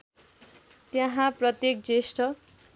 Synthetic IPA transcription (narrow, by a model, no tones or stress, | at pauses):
t̪jaɦãprʌt̪jek̚d͡zesʈʌ